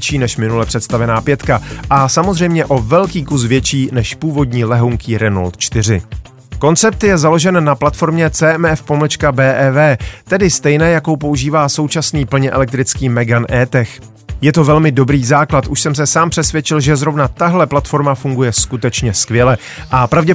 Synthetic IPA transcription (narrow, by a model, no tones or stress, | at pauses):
t͡ʃiːnɛʃmɪnulɛpr̝̥ɛt̪st̪avɛnaːpjɛt̪kaʔasamozrɛjmɲɛʔo̞vɛlkiːkus̬vjɛt͡ʃiːnɛʃpuːvo̞dɲiːlɛɦuŋkiːɾɛno̰lt̪t͡ʃt̪ɪr̝ɪ | ko̞nt͡sɛp̚t̪jɛzalo̞ʒɛnːaplat̪fo̞ɾmɲɛt͡sɛːɛmɛfpomlɛt͡ʃkabɛːʔɛvɛːt̪ɛdɪst̪ɛjnɛːjako̞wpo̞uʒiːvaːso̞wt͡ʃasniːpl̩ɲɛʔɛ̰lɛk̚t̪ɾɪt͡skiːmɛɡanʔɛːt̪ɛx | jɛt̪o̞vɛlmɪdo̞bɾiːzaːklat̪ʔuʃsɛms̬ɛsaːmpr̥ɛsvʲjɛt͡ʃɪlʒɛzɾo̞vnat̪aɦlɛplat̪fo̞ɾmafuŋɡujɛskut̪ɛt͡ʃɲɛskvjɛlɛ | ʔapɾavɟɛ